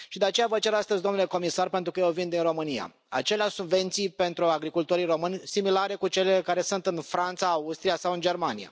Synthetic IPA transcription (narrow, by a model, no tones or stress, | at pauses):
ʃid̪e̞at͡ʃejavət͡ʃe̞ɾast̪əzʲd̪o̞mnule̞ko̞misarpe̞nt̪ɾukəjewvind̪inro̞mɨnija̰ | a̰t͡ʃe̞leaʃsubve̞nt̪sijpe̞nt̪ɾuaɡɾikult̪o̞ɾiro̞mɨnʲsimilaɾe̞kut͡ʃe̞lekaɾe̞sunt̪ɨnfɾant̪saːust̪ɾijasawɨnd͡ʒe̞rmanija̰